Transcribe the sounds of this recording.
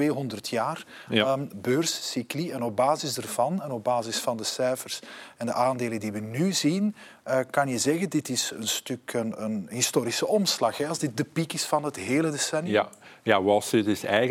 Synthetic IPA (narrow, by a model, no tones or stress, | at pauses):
eːɦɔndərtʰjaːr | bøːrzsikliɛnɔb̚baːzɪzdərvɑnɛnɔb̚baːzɪsfɑndəsɛjfərsɛndəʔaːndeːləndiʋənyzin | əkɑnjəzɛɣəndɪtɪsənstɵkənənɦɪstoːɾisəʔɔmslɑxɦɛɑlˠzdɪt̚dəpikɪsfɑnɦətɦeːlədesɛnjjaʋɑsɪtɪsɛjɣ